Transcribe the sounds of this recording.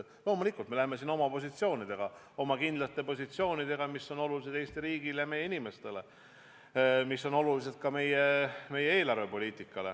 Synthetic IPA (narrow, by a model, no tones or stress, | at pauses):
lo̞ːmulikːˑult̪me̞læheme̞sino̞mɑpo̞s̬ʲit̪sio̞ːnid̪̥e̞ɡ̥ɑ | o̞mɑkind̪lɑt̪ːˑe̞po̞s̬ʲit̪sio̞ːnid̪̥e̞ɡ̥ɑmisːo̞no̞lulis̬e̥eːst̪iɾiːɡ̥ilejɑme̞jeinime̞st̪e̞le̞ | misːo̞no̞lulis̬e̞d̪̥̚kɑme̞jeme̞jee̞ːlɑrve̞po̞lʲiːt̪ˑikːˑɑle̞̰